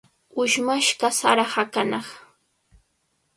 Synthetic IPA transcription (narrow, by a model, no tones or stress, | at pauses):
ʊʃmaʃkasaɾahakanɑχ